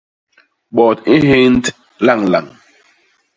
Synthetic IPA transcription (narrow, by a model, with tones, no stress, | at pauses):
ɓɔ˨ti˦he˦n˦t | la˦˨ŋla˨ŋ